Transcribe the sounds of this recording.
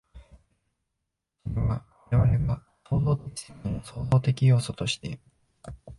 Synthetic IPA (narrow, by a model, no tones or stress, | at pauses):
soeβaβaɾe̞βaɾe̞ɡa | so̞ːzo̞ːt̪ekʲi̥se̥kɯ̃noso̞ːzo̞ːt̪e̞kʲijo̞ːso̞t̪o̞ɕi̥t̪e̞